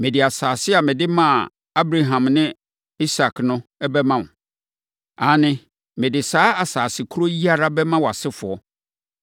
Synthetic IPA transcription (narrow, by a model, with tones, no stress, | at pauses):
mɪ̃˨dɪ˨a˨saː˨sɪ˦a˨mɪ̃˨dɪ˦mã˦˨ | a˦bɾa˨ɦã˨mnɪ̃˦ | i˦sa˨knʊ̃˦ɛ˦bɛ˦mã˨nʊ̃˨ | a˨˦nɪ̃˦ | mɪ̃˨dɪ˨saː˦a˨saː˨sɪ˨kʰu˦ɾo˦ji˦a˦ɾa˦bɛ˦mã˦wa˨sɪ˦fʊ˨ɔ˦